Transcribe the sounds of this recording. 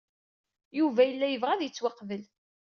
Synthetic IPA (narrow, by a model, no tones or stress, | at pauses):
juvæjəlːæjəvʁæðjət͡sːwaqvəl